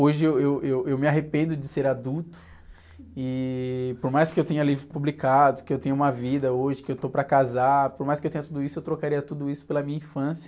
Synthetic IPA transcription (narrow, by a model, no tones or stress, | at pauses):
oʒɪewewewewmɪaɦepẽnd̪ʊd͡ʒɪseɾad̪uwt̪ʊ̥ | ɪpoɾmajskɪewt̪ẽɲɐlivɾɪpublikad̪ʊkɪewt̪ẽɲɐũmɐvid̪ɐoʒɪkɪewt̪opɾɐkazapoɾmajskɪewt̪ẽɲ̃ɐt̪ud̪ʊisʊewt̪ɾokaɾiɐt̪ud̪ʊisʊ̥pelɐmĩɲɐĩfɐ̃sijɐ